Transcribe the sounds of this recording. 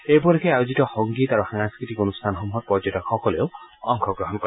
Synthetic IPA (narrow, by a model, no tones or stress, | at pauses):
ebɔɾikʰeajod͡ʒitɔhɔŋɡit̪aɾuhaŋaskɾit̪ikonust̪ʰanɔɦɔmɦɔt̪̚pɔd͡ʒɔtɔkxɔkɔleoɔ̰ŋkʰɔɡɾɔɦɔnkɔ